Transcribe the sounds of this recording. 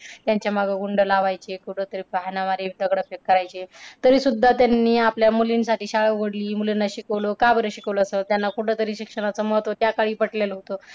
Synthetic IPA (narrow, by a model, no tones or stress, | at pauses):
t̪jaɲt͡ɕjamaɡəɡuɳɖəlaʋajt͡ɕekuʈʰət̪əɾiːpɦanaʋaɾid̪əɡɽəfekːəɾajt͡ɕet̪əɾiːsud̪ʱːat̪janːiːapljamulinsaʈiːɕaɭəɡəɽliːmulinːaɕikəʋlokabəɾəɕikəʋloːsət̪janːakuʈʰet̪əɾiːɕikʂəɽ̃at͡səməɦt̪ʋot̪jakaɭiːpəʈlelɦot̪o